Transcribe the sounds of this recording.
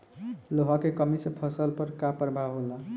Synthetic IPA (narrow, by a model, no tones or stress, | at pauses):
loɦakekəmisepʰʌsəlpəɾkapəɾbʱaɦola